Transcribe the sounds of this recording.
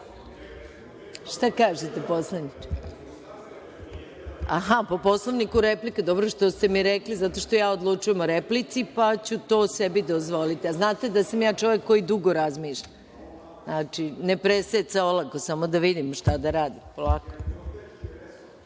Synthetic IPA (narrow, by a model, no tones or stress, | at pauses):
ʃt̪akaːʒet̪eposlˠanit͡ʃe̥ | aɦapo̞po̞slˠoʋnikuɾeplikad̪obɾoʃt̪o̞st̪e̞miɾeklizat̪o̞ʃt̪o̞jaːod̪lˠut͡ʃujemoɾeplit̪sipat͡ɕut̪o̞ːsebid̪ozʋo̞lit̪iaznaːt̪e̞d̪asamjaːt͡ʃo̞ʋekːo̞jid̪uɡo̞ɾazmiːʃʎa | znaːt͡ʃinepɾeset̪saolˠakosamo̞d̪aʋid̪imʃt̪ad̪aɾaːd̪ipolako